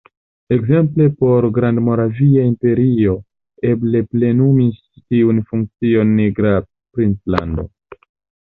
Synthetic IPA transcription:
e̞kze̞mple̞po̞ɾɡɾandmo̞ɾaviaimpe̞ɾio̞ | e̞ble̞ple̞numis | tiunfuŋk̚t͡sio̞nːiɡɾa | pɾint͡sla̰ndo̞̰

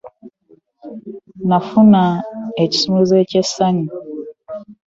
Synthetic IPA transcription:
nafunaeci̥sumuzecesani

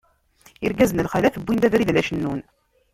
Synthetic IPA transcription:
iɾɡæzənəlχælæθəbːind̪æðɾiðlæʃənːun

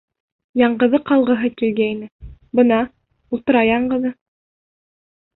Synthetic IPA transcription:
jɑɴɢɤ̆ðɤqɑlˠʁɤ̆ɦɤkilɡæinɘbɤ̆nɑ | ulˠt̪ɤ̆ɾɑjɑɴɢɤ̆ðɤ

